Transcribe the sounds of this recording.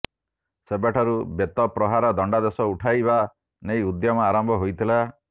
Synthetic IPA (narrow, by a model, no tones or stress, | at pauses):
sebaʈʰɔɾubet̪ɔpɾɔɦaɾɔd̪ɔɳɖad̪esɔuʈʰajba | nejud̪jɔmɔaɾɔmbʱɔɦojt̪ʰila